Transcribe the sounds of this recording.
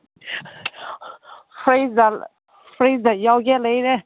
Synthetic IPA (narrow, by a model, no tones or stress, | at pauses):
fɹeɪzðə | fɹeɪzðɨt͡ʃalɡɛtˡleɪɾə